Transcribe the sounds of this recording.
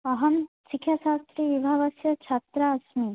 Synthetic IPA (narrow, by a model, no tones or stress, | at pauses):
ɐɦɐmsikʰjaʃaːst̪ɾiʋibʱaːʋɐsjɐt͡ʃʰɐt̪ɾaːsmi